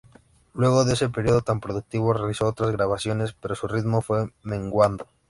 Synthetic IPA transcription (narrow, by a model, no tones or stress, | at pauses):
lwe̞ɣ̞oðe̞sepeɾjoð̞ot̪ampɾoðuk̚t̪iβ̞orealisoot̪ɾazɣɾaβ̞asjonespeɾosurit̪mofwemẽŋɡwand̪o